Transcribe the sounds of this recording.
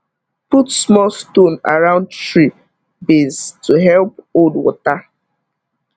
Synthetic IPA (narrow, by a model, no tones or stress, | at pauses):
putsmɔlstõna̰ɹãʊ̃ndtɹi | beztʰuɦɛlpoldwɔ̰ta